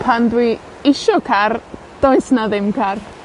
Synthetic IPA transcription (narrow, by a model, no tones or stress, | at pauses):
pʰandwi | ɪʃɔkʰar | d̥oɨsnaðɪmkʰar